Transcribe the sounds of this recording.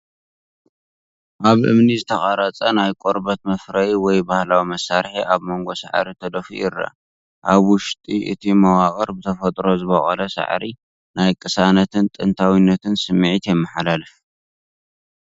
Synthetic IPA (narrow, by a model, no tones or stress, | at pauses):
ʔaβʔɨ̰mnizɨt̪ʰɐxʼaɾat͡sʼɐnajkʼoɾbɐt̪̚mɐfɾɐjwɔjbahlawimɐsaɾħiʔaβmo̞ŋɡo̞sa̰ʕɾit̪ʰɐd̪ɐfṵjɪrːɐ̰ | ʔaβwʊʃt̪ʼiʔɨ̰t̪ʰimɐwakʼɐɾbɨt̪ʰɐfɐt̪ʼɾo̞zɨβɐχʼɐ̰lɐsa̰ʕɾi | najkʼɨsanɐt̪ʰɨnt̪ʼɨnt̪ʰawinːɐt̪ʰɨnsɨmːʕit̪jɛmːɐħalalɨf